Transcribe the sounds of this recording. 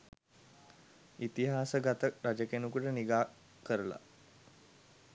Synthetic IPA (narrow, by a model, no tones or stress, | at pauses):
it̪iɦaːsəɡat̪əɾad͡ʒəkenukuʈəniɡaː | kəɾəla̰